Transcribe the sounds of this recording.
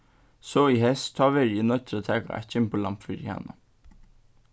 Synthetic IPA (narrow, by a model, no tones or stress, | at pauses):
soːiːhɛst̪ʰɑːʋeɾiːnœt̪ɾət̪ʰæːkɑ̰ʔæ̰çənpʰoːlɑmpfyɾæ̰nə